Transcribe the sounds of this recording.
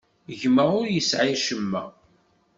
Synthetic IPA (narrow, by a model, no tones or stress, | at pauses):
ʝməʁʊɾjəsʕiʃəmːæ̰